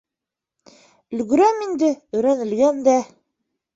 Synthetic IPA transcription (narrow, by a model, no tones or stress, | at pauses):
ɵ̆lɡɵ̆ɾæmind̪ɘɵ̆jɾænɘ̆lɡænd̪æ